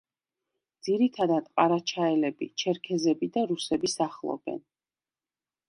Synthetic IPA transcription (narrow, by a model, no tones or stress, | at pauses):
d̪z̥iɾit̪ʰad̪ad̪qʼaɾat͡ʃʰaɛlɛbit͡ʃʰɛɾkʰɛzɛbid̪aɾusɛbisaχlˠɔ̰bɛ̰n